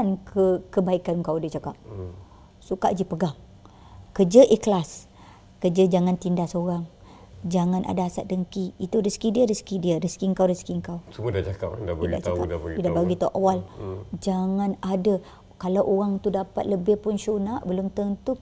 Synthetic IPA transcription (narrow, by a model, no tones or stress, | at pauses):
ankʰəkəbaikanŋkawdat͡ʃakap̚ | suka̰ʔd͡ʒipəɡaŋ | kəd͡ʒəʔikəlas | kəd͡ʒəd͡ʒaŋant̪indasoɾaŋ | d͡ʒaŋãnʔa̰daɦasa̰t̪̚dəŋkiːt̪urəskidiəɾəskidiəɾəskiŋkawɾəskiŋkawt͡ʃumədat͡ʃakap̚daida̰ʔt͡ʃakadpɡidabaɡit̪aʔawald͡ʒaŋanada | kalawʔoɣaŋt̪udapa̰t̪̚ləbɪhpʊnʃunaʔbəlʊmt̪əŋt̪u